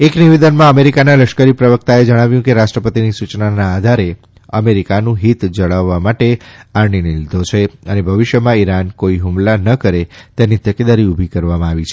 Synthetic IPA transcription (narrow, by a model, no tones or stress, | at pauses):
ekniʋed̪ənmãəmeɾikanaləʃkəɾipɾəʋək̚t̪aed͡ʒəɽ̃aʋjũkeɾaʃʈɾəpət̪inisut͡ʃnanaːd̪ʱaɾe | ə̰meɾikanũɦit̪d͡ʒəɭaʋːamaʈeaɾɳinilid̪ʱot͡ʃʰeənebʱəʋɪʃjəmãiɾankoiɦumlanəkəɾet̪enit̪əked̪aɾiubʱikəɾʋamãaʋit͡ʃʰe